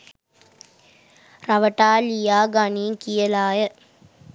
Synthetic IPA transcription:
ɾɐʋɐʈaːlijaːɡaniːŋkijɐlaːjɐ

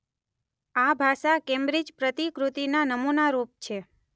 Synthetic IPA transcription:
abʱaʃakembɾid͡ʒpɾət̪ikɾut̪inanəmunaɾup̚t͡ʃʰe

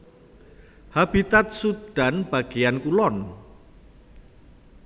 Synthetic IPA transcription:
hab̥it̪at̪̚sud̪̥a̤nb̥a̤ɡ̥ejankulɔn

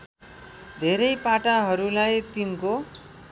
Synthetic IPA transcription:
d̪ʱeɾʌjpaʈaɦʌɾulajt̪inko

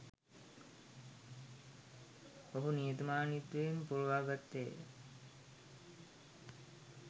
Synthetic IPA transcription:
oɦunijet̪umaːnit̪ʋeempuɾuʋaːɡat̪ːe

